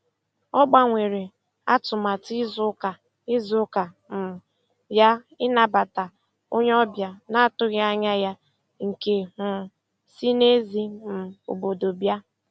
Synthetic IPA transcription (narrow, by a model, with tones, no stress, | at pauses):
ɔ˦ɡ͡ba˦ŋʷe˨ɾe˨ | a˦tʊ˨ma˨ti˦zʊ˦ka˨ | ɪ˦zʊ˦ka˨ | m̩˨ | ja˦ | ɪ˦na˨ba˨ta˨ | o˦ɲ˦ɔ˦bja˨na˦tʊ˦ɣa˦ɲa˦ja˦ | ŋ̩˨ke˨hʊ˨ | si˦ne˦zi˦m̩˨o̰˨bo˨do˨bja˦